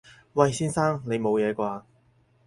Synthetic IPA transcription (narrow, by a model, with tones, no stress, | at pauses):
wɐ˨˧jsiː˥nsaː˥ŋne˨˧jmo˨˧wjɛː˨˧kʷaː˧